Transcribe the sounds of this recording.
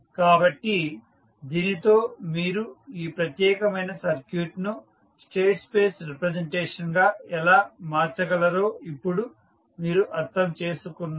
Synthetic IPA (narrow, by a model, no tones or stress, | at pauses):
kaːbɐʈːi | d̪iːnit̪o̞ːmiːɾuiːpɾɐt̪jɛːkɐmɐjnɐsɐɾkjuːʈnu | sʈe̞ːʈspe̞ːsɾipɾɐd͡ʒeɳʈeːʂɐnɡaːɛlaːmaːɾt͡ʃɐɡɐlɐɾo̞ːipːuɽu | miːɾuʔɐɾt̪ʰɐmt͡ʃe̞ːsukunːa